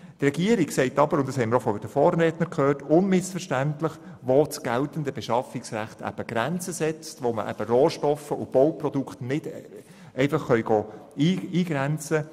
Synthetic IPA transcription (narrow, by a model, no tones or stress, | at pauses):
t̪rɛɡiəɾiksɛɪtɑbəɾʊntd̥ɑshɛɪmɪɾofɔɪd̥əfɔːɾːɛːtnəkʰχøːrtʊnmɪsfəʃtæntlɪχ | ʋot͡sɡ̥ælt̪əndəbɛʃɑfɪksɾæ̰χtæ̰b̥əɡ̥ɾænt͡səsɛt͡st̪ʋoməʔæ̰b̥əɾoːʃtɔfəʊb̥ɔwprɔdukχtnɪd̥ | ʔɛɪfɑχːœʏɡɔːiːiːɡ̥ɾɛnt͡sə